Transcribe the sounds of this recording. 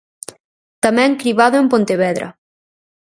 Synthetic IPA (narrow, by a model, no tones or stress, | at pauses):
t̪amɛ̃ŋkɾiβaðoempont̪eβɛðɾʔɐ̰